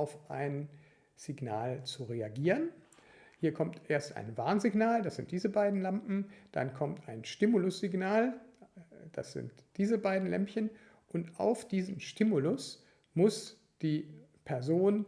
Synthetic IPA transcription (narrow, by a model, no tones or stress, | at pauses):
aʊfʔaɪn | z̥iɡna̰ːlt͡suʁeaɡiːʁ̞ən | hiːɐkʰɔmtʔeːɐstʔa̰ɪnva̰ɐnzɪɡnaːldasz̥ɪntd̥iːzəbaɪdn̩lampm̩d̥a̰nkʰɔmta̰ɪnʃtɪmulʊsz̥iɡnaːl | d̥a̰sz̥ɪ̰ntd̥iːzəbaɪdn̩lʔɛ̰mpçən | ʔʊntʔa̰ʊfd̥iːzəmʃtɪmulʊs | mʊs | d̥iːpʰɛɐzoːn